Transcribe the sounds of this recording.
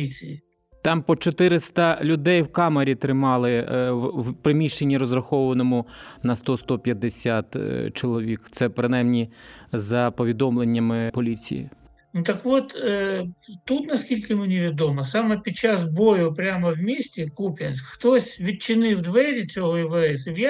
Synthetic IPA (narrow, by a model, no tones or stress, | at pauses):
it͡sʲiji | t̪ɑmpɔt͡ʃɔt̪ɪɾɪst̪ɐlʲʊd̪ɛjwkɑmɐɾʲit̪ɾɪmɑlˠɪwpɾɪmʲiʃenʲːiɾɔzrɐxɔʋʋɐnɔmʊnɐst̪ɔst̪ɔpʲjɐd̪ːesʲat̪t͡ʃɔlˠɔʋʲikt̪sɛpɾɪnajmnʲizɐpɔʋʲid̪ɔmlˠenʲːɐmɪpɔlʲit͡sʲḭjḭ | nut̪ɐkʋɔt̪ | t̪ut̪nɐskʲilʲkɪmɪnʲiʋʲid̪ɔmɐsɑmɛpʲid̪̚t͡ʃazbɔjʊpɾʲamɐwmʲisʲtʲɪkupʲjʲɐnʲsʲkxt̪ɔsʲʋʲid̪̚t͡ʃɪnɪwd̪ʋɛɾʲit͡sʲɔɦɔjɪʋɐɛsɪwj